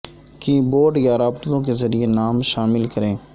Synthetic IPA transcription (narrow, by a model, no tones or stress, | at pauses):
kiboːɖjaɾaːbt̪lõkezəɾienaːmʃaːmɪlkəɾẽː